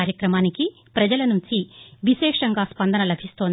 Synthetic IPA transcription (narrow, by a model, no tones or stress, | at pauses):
aːɾjɐkɾɐmaːniki | pɾɐd͡ʒɐlɐnuɲt͡ʃiʋiʃɛːʂɐŋɡaːspɐnd̪ʱɐnɐlɐbʱist̪oːn